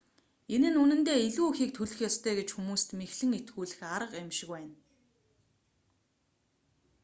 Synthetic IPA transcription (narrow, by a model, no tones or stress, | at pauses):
enɘ̆nunɘ̆nt̪eːiɮuːxiːk̚t̪ʰɵɮɘ̆xjɔst̪ʰœːɡet͡ɕxumuːst̪mexɮɘ̆ŋet̪ɡuːɮɘ̆xaɾə̆qæmʃɪ̆kwæːn